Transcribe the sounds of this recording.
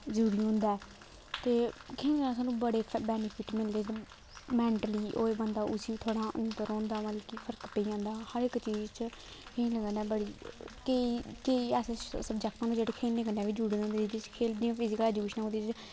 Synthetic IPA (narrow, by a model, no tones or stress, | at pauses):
zəɾuːɾiːʊ̃nd̪aːɛː | t̪eːkʰeːəsaːnũːbəɽeːbɛːnɪpʰiːʈmɪld̪eː | mɛːɳʈəliːʔo̰ːeːbənd̪aːʔʊsiːt̪ʰoːɽãːʔə̰nt̪əɾõːnd̪aːmət̪lkipʰəɾkpeiãːnd̪aːhəɾɪkt͡ʃiːd͡ʒt͡ʃkẽːləɡənɛːbəɽiːkeiːkeiːɛːsesəbd͡ʒɛːk̚t̪ãːnũːd͡ʒeːɽeːkʰeːlneːkənːɛːʋiːd͡ʒuːɽiːõːnd̪eːd͡ʒɪd̪et͡ʃkʰeːld̪ijãːpʰɪːzɪkəlɛːd͡ʒuʃənãõd̪eːt͡ʃ